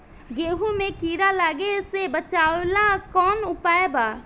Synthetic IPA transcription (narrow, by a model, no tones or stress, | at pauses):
ɡeːɦumẽkiːɾalaːɡesebət͡ʃaːwlakɔːnʊpaːebaː